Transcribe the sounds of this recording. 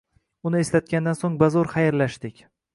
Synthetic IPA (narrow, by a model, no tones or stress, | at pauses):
ʊnɪeslat̪̚kʲand̪ansoŋbazɒɾχajɾlaʃd̪ɪkʲ